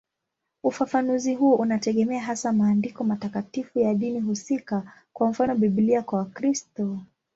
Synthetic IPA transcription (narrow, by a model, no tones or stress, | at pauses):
ufafanuziɦuɔʔunatɛɠɛmɛaɦasamaːndikɔmatakatifujaɗiniɦusikakwam̩fanɔɓiɓliakwawakɾistɔ